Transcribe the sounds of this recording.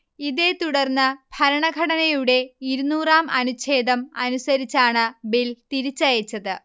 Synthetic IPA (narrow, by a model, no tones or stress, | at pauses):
iðeːt̪uɽɐrnːɨb̥ʱɐɾɐɳɐɡʱɐɽɐnɐjuɽe̞iɾunuːraːmɐnut͡ɕʰe̞ːd̪ɐmɐnusɐɾit͡ɕːaːɳɨbilt̪iɾit͡ɕːɐjɐt͡ɕːɐðɨ